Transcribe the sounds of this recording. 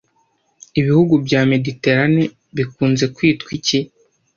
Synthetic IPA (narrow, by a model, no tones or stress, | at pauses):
iβihuɡubɟame̞dite̞ɾane | βikuːnze̞kwiːtkwici